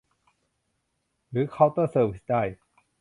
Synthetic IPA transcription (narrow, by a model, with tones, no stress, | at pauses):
ɾɯː˨˩˦kʰa˦˥˩wt̪ɔː˥˩sɤː˧˩wi˦˥sda˥˩j